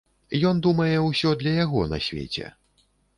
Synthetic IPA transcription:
jɔnd̪umɐjɛwsʲɔd̪lʲɐjaɣɔnɐ̰sʲvʲḛt͡sʲɛ̰

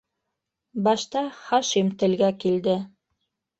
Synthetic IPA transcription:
bɑʃt̪ɑχɑʃimt̪ɘ̆lɡækild̪ɘ

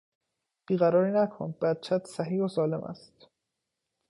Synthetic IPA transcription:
b̥iːɣæɾɒːɾiːnækʰonbæd̪̚t͡ʃʰæt̪sæɦiːhosɒːle̞̰mʔæ̰st̪

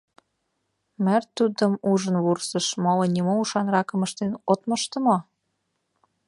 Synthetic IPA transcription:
mərt̪ud̪əmuʒənβursəʃmolənʲimouʃɑnrɑkəməʃt̪enot̪məʃt̪ə̆mo

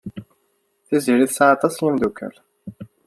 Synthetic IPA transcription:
θiziɾiθsaat̪ˤɑsjimd̪ukːæ̰l

